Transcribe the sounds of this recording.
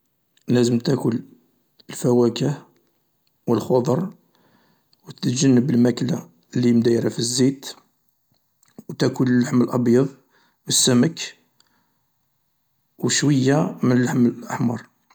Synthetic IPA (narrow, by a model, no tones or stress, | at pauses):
læzəmt̪ækʊl | əlfæwækəh | wəlxod̪ˤəɾˤ | wt̪ʒənːəbəlmækla | lːimd̪æjɾafizːit̪ | wt̪ækʊllːaħməlʔɑbjɑðˤ | wəsːæmək | wəʃwəjːamənəlːaħməlʔəħmɑɾˤ